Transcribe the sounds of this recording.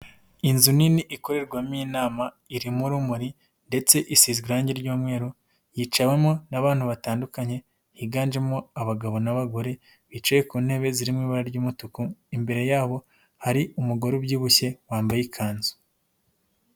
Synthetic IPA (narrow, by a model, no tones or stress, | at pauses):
inzuniniʔiko̞ɾe̞ɾɡwamiːnaːma | iɾimuɾumuɾi | nde̞t͡se̞ʔisizɡiɾaːɲɟe̞ɾɟuːmŋe̞ːɾo | jiːt͡ʃawe̞mo̞naβaːn̥huβataːndukaɲe̞ | jiɡaːnd͡ʒe̞mo̞aβaɡaβo̞naβaɡo̞ɾe̞ | βit͡ʃajekuːn̥he̞ːβe̞ziɾimŋiːβaɾaɾɟuːmutukuimbe̞ɾe̞jaːβo̞ | haɾiʔumuɡo̞ɾubjiːβuçe̞waːmbajikʰaːnzu̥